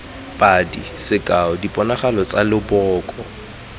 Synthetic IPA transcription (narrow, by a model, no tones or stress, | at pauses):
pʼadisɪkʼaɔdipʼɔnaχalɔt͡sʼalɪbɔːkʼɔ